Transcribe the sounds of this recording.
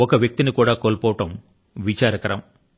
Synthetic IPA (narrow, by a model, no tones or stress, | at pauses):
ɔkɐʋjɐk̚t̪inikuːɽaːkoːlpɔːʋɐʈɐm | ʋit͡ʃaːɾɐkɐɾɐm